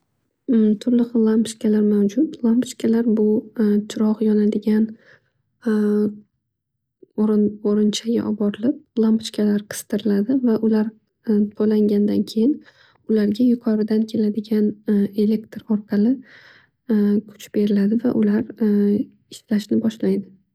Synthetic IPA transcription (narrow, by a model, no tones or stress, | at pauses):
t̪ʰʊɾlɨqlˠampʃkʲalaɾmawd͡ʒʊt̪lˠampt͡ʃkʲʰalaɾbʊt͡ʃʰɪɾɒʁjɒnad̪ɪɡʲan | ɾoɾɪnt͡ʃʰaɡʲa̰ʔɒbɒɾɪlɪp̚lˠampt͡ʃkʲʰalaɾqʰɨ̥st̪ʰɨɾɪlad̪ɪvaʔʊlaɾ | t̪ʰojlaŋɡʲand̪ankʲʰe̞jɪn | ʊlaɾɡʲajʊqʰɒɾɪd̪ankʲʰe̞lad̪ɪɡʲane̞le̞k̚t̪ɾɒɾqʰɑlɪ | kʰʊ̥t͡ʃb̥e̞ɾɪlad̪ɪvaʔʊlaɾ | ɪʃlaʃnɪbɒʃlajd̪ɪ